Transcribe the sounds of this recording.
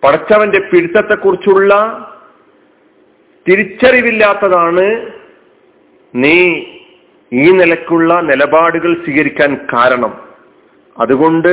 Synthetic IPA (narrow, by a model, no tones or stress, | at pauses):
pɐɽɐt͡ɕːɐʋɐnde̞piɽit̪ːɐt̪ːe̞kːurit͡ɕːuɭːɐ | t̪iɾit͡ɕːɐriʋilːaːt̪ːɐðaːɳɨ | niː | iːnilɐkʲːuɭːɐnilɐbaːɽuɣɐɭɕiɣɐɾikʲːaːnkaːɾɐɳɐm | ɐ̰ðuɣo̞ɳɖɨ